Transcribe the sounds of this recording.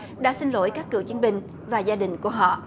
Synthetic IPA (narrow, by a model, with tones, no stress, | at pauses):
ɗa̰ː˧˥sï˧ŋlo̰˧˥˦jkaː˦˥kːɨ̰˧˩əwt͡ɕi˨˦ənɓï˨˩ŋ̟ | vaː˨˩zaː˧ɗï˨˩ŋ̟ku˧˩əɦɔ̰˧˨